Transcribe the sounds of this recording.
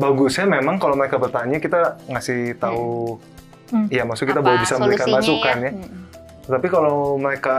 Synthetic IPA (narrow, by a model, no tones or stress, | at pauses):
baɡʊsɲamemaŋkalowməɾekabərt̪aɲakit̪aŋasɪht̪au | jamasʊkit̪abolɛhbisaməmbəɾikanmasukanja | t̪ət̪apikalowməɾeka